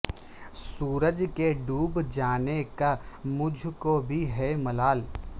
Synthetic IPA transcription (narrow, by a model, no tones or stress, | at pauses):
suːɾəd͡ʒkeɖuːbd͡ʒaːnekamʊd͡ʒʱkobʱiɦɛmɐlaːl